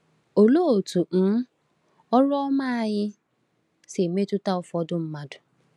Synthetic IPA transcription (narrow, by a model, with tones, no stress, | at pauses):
o˨lo˦o˨tu˨n̩˦ | ɔ˦ɾʊ˦ɔ˦ma˦a˦ɲɪ˦ | se˨me˦tʊ˦ta˦ʊ˨fɔ˦dʊ˦m̩˦ma˦dʊ˨